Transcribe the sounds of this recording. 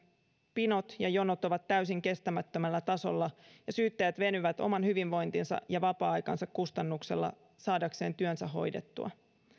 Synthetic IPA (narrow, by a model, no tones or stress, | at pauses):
pino̞t̪jɑjo̞not̪o̞ʋɑt̪ːæysiŋke̞st̪æmæt̪ːømælːæt̪ɑso̞̰lːɑjɑsyːt̪ːæjæt̪ʋe̞nyʋæt̪o̞̰mɑnhyʋinʋo̞jnt̪insɑ̰jɑʋɑpɑːɑjkɑnsɑkkust̪ɑnːukse̞̰lːɑ̰ | sɑːdɑkse̞ːnt̪yønsæɦo̞̰jde̞t̪ːṵɑ̰